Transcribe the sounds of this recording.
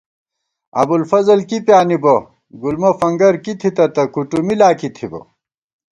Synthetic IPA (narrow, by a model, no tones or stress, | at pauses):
ɐ̰bulfɐzɐlkipjaːnibɐ | ɡulmɐfɐŋɡɐɾkit̪ʰit̪ɐt̪ɐkuʈumilaːkit̪ʰibɐ̰